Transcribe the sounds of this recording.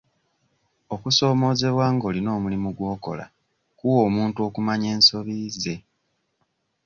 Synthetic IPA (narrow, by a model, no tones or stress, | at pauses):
o̞kuso̞ːmo̞ːze̞βwaːŋɡolino̞ːmulimuɡwo̞ːko̞̰la̰ | kuwo̞ːmuːntuokumaɲe̞ːnso̞βiːze̞